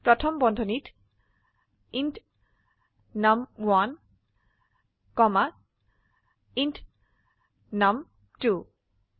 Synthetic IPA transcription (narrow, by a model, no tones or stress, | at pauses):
pɹɔtʰɔmbɔndʱɔnit | int | namwan | kɔma | int | nam | tu